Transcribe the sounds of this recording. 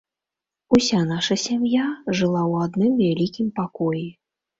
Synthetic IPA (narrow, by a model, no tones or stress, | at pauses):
usʲanaʂɐsʲamjaʐɨlˠawad̪nɨmvʲalʲikʲimpakɔji